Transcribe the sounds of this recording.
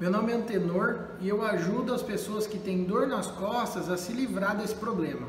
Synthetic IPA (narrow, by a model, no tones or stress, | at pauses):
mewnõmɪɐ̃t̪enoɾ | ɪewaʒud̪ʊɐspesoɐskɪt̪ẽj̃d̪oɾnɐskɔst̪ɐzɐsɪlivɾaɾd̪esɪ̥pɾoblẽmɐ